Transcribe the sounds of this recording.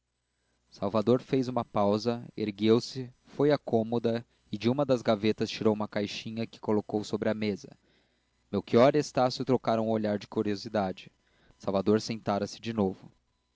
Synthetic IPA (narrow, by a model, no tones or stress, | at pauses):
sawvad̪oɾfejzũmɐpawzɐḛɾɡewsɪ | fojakõmod̪ɐ | ɪd͡ʒɪũmɐd̪ɐzɡavet̪ɐst͡ʃiɾowũmɐkajʃĩɲɐkɪ̥kolokowsobɾɪɐmezɐ̰ | mewkiɔɾest̪asjʊt̪ɾokaɾɐũoʎaɾd͡ʒɪkuɾiozid̪ad͡ʒɪ | sawvad̪oɾsẽnt̪aɾɐsɪ̥d͡ʒɪnovʊ